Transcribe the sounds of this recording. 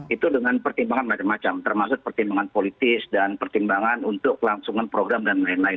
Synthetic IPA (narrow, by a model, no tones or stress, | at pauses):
ʔit̪udəŋanpərt̪imbaŋanmat͡ʃamːat͡ʃamt̪ərmasʊt̪̚pərt̪imbaŋanpolit̪ɪsdanpərt̪imbaŋanunt̪ʊk̚laŋsuŋanpɾoɡɾamdanlaɪnlaɪn